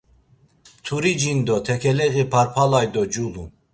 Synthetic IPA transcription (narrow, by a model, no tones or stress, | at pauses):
t̪ʰuɾid͡ʒind̪ɔt̪ʰɛkʰɛlɛɣipʰaɾpʰalajd̪ɔd͡ʒulu